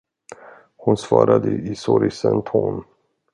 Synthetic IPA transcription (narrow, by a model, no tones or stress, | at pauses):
hʊnsvɑːɾad̪əʔɪsɔɾɪsənt̪ʰɔn